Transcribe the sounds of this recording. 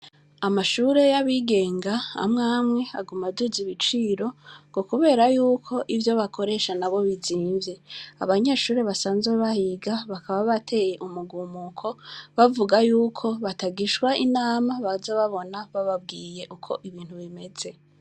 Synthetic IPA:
amaʃuːɾe̞jaβiɡe̞ːŋɡaa̰mŋaːmŋe̞aɡumaduziβit͡ʃiːɾo̞ŋɡ̥o̞kuβe̞ːɾajuːkʰo̞ʔivjo̞βakʰo̞ɾe̞ːʃanaβo̞βiziːɱvje̞a̰βaɲeːʃuːɾeβasaːnzeβahiɡaβakaβaβatʰe̞je̞ʔumuɡuːmukʰo̞βavuɡajuːkʰo̞βataɡiʃwaʔinaːmaβazeβaβo̞naβaβab̚ɡiːje̞ʔukʰo̞ʔiβiːnhuβime̞z̥e̞

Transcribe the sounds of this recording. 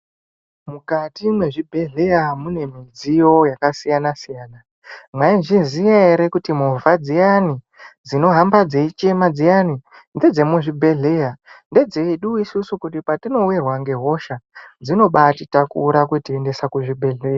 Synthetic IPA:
mukatimwe̞ʐibʱe̞ɮe̞jamune̞mid͡zijo̞jakasijanasijaːna | mwainʐinzijeeɾe̞kutimovad͡zijani | d͡zino̞ɦambad͡zeit͡ʃe̞mad͡zijani | nde̞d͡ze̞muʐibʱe̞ɮe̞ːjande̞d͡ze̞ɗuisusukutipatino̞uwerwaŋɡe̞ɦo̞ʃad͡zino̞ɓatitakuɾakwetiende̞sakuʐibʱe̞ɮe̞ːja

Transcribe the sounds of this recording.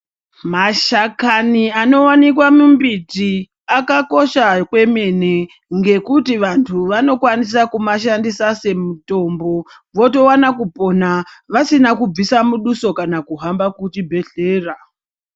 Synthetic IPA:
maʃakaniano̞wanik̬wamumbiti | akako̞ʃakwe̞mene | ŋɡe̞kutiʋantʰuʋano̞kwanis̬akumaʃandisase̞muto̞mbo̞ | ʋo̞to̞wanakupo̞naʋasinakub͡visamuɗuso̞kanakuɦambakutibʱe̞ɬe̞ːra

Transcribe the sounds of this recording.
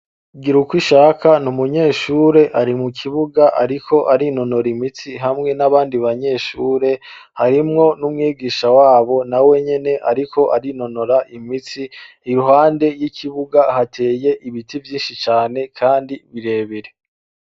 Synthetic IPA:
ɡiɾukwiʃaːkanumuɲe̞ːʃuːɾe̞ʔaɾimukʰiβuɡaʔaɾikʰo̞ʔaɾino̞no̞ɾimit͡siɦamŋe̞naβaːndiβaɲe̞ːʃuːɾe̞ | haɾimŋo̞numŋiːɡiːʃawaːβo̞nawe̞ɲe̞ne̞ʔaɾikʰo̞ʔaɾino̞no̞ɾaʔimit͡siː | juɦaːnde̞jicʰiβuɡahatʰe̞ːje̞ʔiβitivjiːnʃit͡ʃaːne̞kʰaːndiβiɾe̞βiɾe

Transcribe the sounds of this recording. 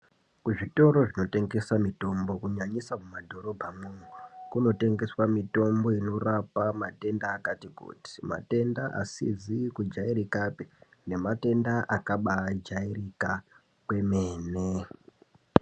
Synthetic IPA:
kuʐito̞ɾo̞ʐino̞te̞ŋɡe̞samito̞mbo̞kuɲaɲisamumadʱo̞ɾo̞bʱamumwekuno̞te̞ŋɡe̞swamito̞mbo̞ino̞rapamate̞ndaːkatikṵti̥ma̰te̞ndaʔa̰sḭzikud͡ʒaiɾikapi̥ne̞mate̞ndaʔakaɓad͡ʒairika | kweme̞ːne

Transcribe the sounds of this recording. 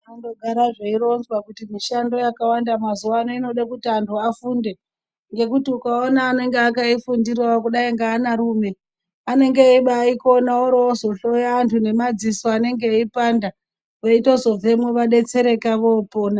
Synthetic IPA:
ando̞ɡʱaɾaʐeiɾo̞nzwakutimiʃando̞jakawandamazuwanoino̞ɗakutiantuafunde̞ | ŋɡe̞kutiukaonaːne̞ŋɡeakaifundirawakuɗaiŋɡaːnaɾuːme̞ | ane̞ŋɡeiɓaiko̞naoɾoozo̞ɬo̞jaːntʰune̞mad͡zisoane̞ŋɡeipanda | ʋeito̞zo̞ve̞mwe̞ʋaɗe̞t͡se̞ɾe̞kaʋo̞ːpoːna

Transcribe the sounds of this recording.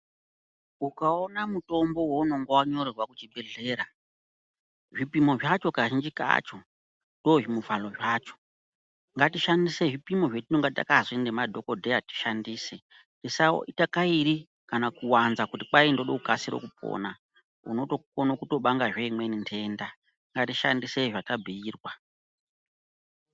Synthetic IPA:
ukaonamuto̞mbo̞wouno̞ŋɡowaɲo̞ɾerwakut͡ʃiɓeɮe̞ːɾa | ʐipimo̞ʐat͡ʃo̞kaʒind͡ʒika̰t͡ʃo | ndo̞ʐimuvalo̞ʐaːt͡ʃo̥ | ŋɡatiʃandise̞ʐipimo̞ʐetino̞ŋɡata̰kazindemadʱo̞ko̞dʱeati̥ʃandiːse | ndisao̰itakaiɾi | kanakuwanzakutipaindo̞ɗoukasiɾo̞̰kup̚o̰ːna | ṵno̞to̞kkonokuto̞ɓaŋɡaʐeimwenintʰe̞nda | ŋɡatiʃa̰ndiseʐatabʱiiːrwa

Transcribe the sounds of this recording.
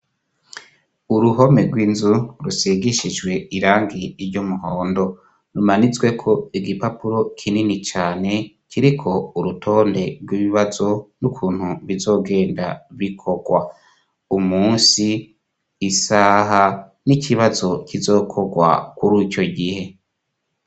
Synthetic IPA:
uɾuɦo̞me̞ɾɡwiːnzuɾuseɡiʃid͡ʒwe̞iɾaːŋɡiiɾɟomuɦoːndo̞ | numanizɡwe̞kʰo̞iɡipapuɾo̞kʰininit͡ʃaːne̞ | kiɾikʰo̞uɾutʰo̞ːnde̞ɾɡwiβiβazo̞nukʰuːn̥huβizo̞ːɡe̞ːndaβikʰo̞ɡ̥wa | umuːnsiː | saɦa | nikʰiβazo̞kizo̞ːkʰo̞ɡwa̰kuɾico̞ɡihe̞

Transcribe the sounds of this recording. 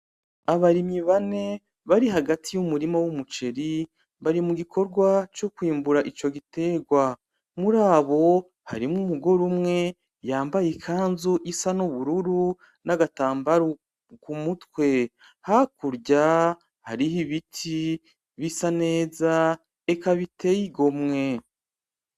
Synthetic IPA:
aβaɾimiβane̞ | βaɾiɦaɡatʰijumuɾimawumut͡ʃe̞ɾi | βaɾimuɡikʰo̞ɾɡwat͡ʃokwiːmbuɾaʔit͡ʃo̞ɡite̞ːɡwa | muɾaːβo̞ | ha̰ɾimŋumuɡo̞ɾumŋe̞ | jaːmbajikʰaːnzuʔisanuβuɾuɾu | naɡataːmbaɾu | kumutwe̞ | hakuɾɟa | haɾihiβitʰi | βisane̞ːza | ekaβitʰe̞jiɡo̞mŋe̞

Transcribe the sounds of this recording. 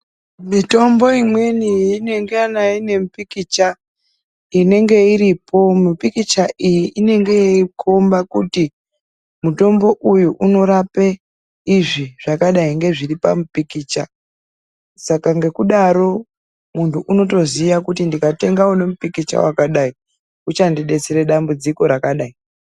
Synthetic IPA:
mito̞mbo̞imwe̞niine̞ŋɡeanaine̞mupikit͡ʃa | ine̞ŋɡe̞iɾipʰo̞mipikit͡ʃaijiʔine̞ŋɡe̞kombakuti | muto̞mbo̞ʔujuʔuno̞ɾape | iʐiʐakaɗaiŋɡe̞ʐiripamupikiːt͡ʃa | sakaŋɡe̞kuɗaɾo̞ | muntʰuʔuno̞t̬o̞ziʋakutindikate̞ŋɡaune̞mupikit͡ʃa̰wakaɗai | ut͡ʃandiɗe̞t͡seɾeɗambud͡ziko̞ɾakaɗai

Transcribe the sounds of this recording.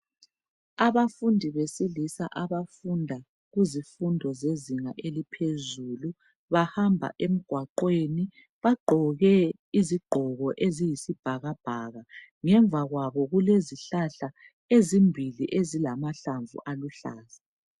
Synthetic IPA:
aβafundʱiβesilisaʔaβafundʱa | ɣuzifundʱɔzeziŋaʔelipʰezuːlu | βahambʱa̰ʔem̩ɡ̥ʱwaǃweni | βaɡ͡ǃʱɔɣɛ | iziɡ͡ǃʱɔɣɔʔezijisib̥ʱaɣab̥ʱaːɣa | ŋɛɱvʱaɣwaβɔɣuleziɬaɬa | ezimbʱiliʔezilamaɬaɱvṵʔaluɬa̰ːza

